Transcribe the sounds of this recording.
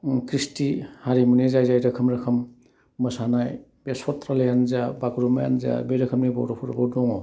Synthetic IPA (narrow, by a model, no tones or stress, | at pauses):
kɾistihaɾimunezajzajɾɐkʰɐmɾɐkʰɐmː | ɯsanajbesɔtɾalejanzabaɡɾumaja̰nza̰beɾɐkʰɐmnijbawɾopʰuɾbodɔŋɔ